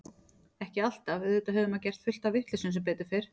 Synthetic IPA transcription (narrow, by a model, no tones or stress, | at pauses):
ɛhcɪal̥t̪avɪðɪːt̪aɦœvʏmacɛr̥t̪fʏl̥t̪avɪht̪lɪsʏnsɛmp̬eːt̪ʏɾ̥fɪɾ̥